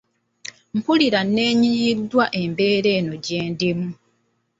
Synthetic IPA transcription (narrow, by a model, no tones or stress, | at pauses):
m̩puliɾanːe̞ːɲijidːwaʔe̞mbe̞ːɾe̞ːno̞ɟe̞ːndimu